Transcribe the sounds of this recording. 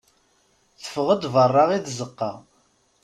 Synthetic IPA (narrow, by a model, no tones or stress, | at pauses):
θə̥fʁəd̪ˤvərˤːɑʁiðzəqːɑ